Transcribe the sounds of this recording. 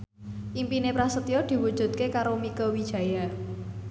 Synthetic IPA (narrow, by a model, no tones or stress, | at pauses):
ʔimpinepɾasət̪iod̪̥i̤wud̥ʒ̥ṳt̪̚kekaɾomikəwid̥ʒ̥ä̤ja